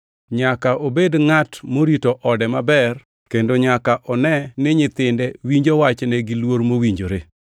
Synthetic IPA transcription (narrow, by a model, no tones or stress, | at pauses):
ɲakaʔobedŋatmoɾitoʔɔdɛmabɛr | kendoɲakaʔɔnɛnɪɲɪt̪ɪndɛwiɲd͡ʒowat͡ʃnɛɡɪlwoɾmowiɲd͡ʒoɾe